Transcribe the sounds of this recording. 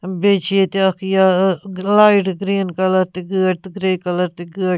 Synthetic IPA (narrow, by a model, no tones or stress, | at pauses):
beːt͡ʃʰiet̪iɐkʰjalaːiʈɡɾiːnkɐləɾt̪iɡəːʈt̪ɡɾeːkɐləɾt̪iɡəː